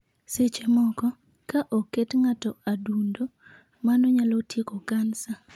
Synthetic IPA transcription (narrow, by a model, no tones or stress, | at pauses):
set͡ʃemɔkɔ | kaʔoketŋatɔadundo | manɔɲalotjekokansa